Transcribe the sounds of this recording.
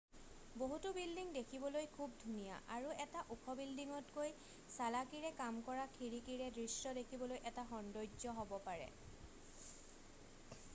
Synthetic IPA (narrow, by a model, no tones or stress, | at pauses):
boɦutubildiŋdekʰibɔlojkʰub̚dʱunija̰ʔaɹuɛtaʔupʰɔbildiŋɔtkoj | salakiɹɛkamkɔɹakʰiɹikiɹɛdɹisːɔdekʰibɔlojʔɛtaxɔndɔjd͡ʒɔɦɔbɔpaɹɛ̰